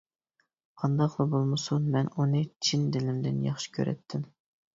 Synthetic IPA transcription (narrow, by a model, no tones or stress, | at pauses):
qʰɑnd̪ɑqlˠɑbolˠmɨsunmɛnunɨt͡ʃʰind̪ɪlɪmd̪ɪnjɑ̰χʃi̥kʲʰø̰ɾʔɛ̰t̪ʰːɪm